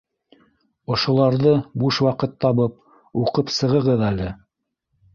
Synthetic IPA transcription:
ŏʃŏlˠɑɾðɤbuʃwɑqɤt̪ːɑβɤp̚ | uqɤpsɤ̆ʁɤ̆ʁɤðælɘ

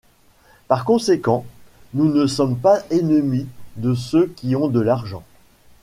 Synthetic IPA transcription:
paʁkɔ̃sekɑ̃nunəsɔmpaenəmid̪əsøkʲiɔ̃d̪əlaʁʒɑ̃

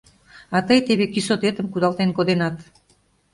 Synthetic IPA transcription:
ɑt̪əjt̪eβekisot̪et̪əmkud̪ɑlt̪enkod̪enɑt̪

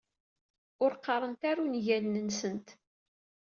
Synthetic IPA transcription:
ʊɾqːɑɾˤənt̪aɾunʝælnənsənt̪

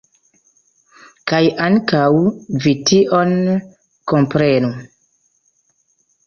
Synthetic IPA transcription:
kajʔaŋkawvitiʔon | ko̞mpɾenu

